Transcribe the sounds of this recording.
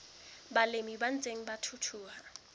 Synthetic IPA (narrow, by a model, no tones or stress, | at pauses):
balemiban̩t͡sʼeŋ̩batʰutʰuːha